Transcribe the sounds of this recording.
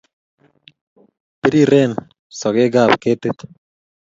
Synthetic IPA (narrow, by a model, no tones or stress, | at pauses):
piɾiɾen | sɔɡeɡab̚ket̪et̪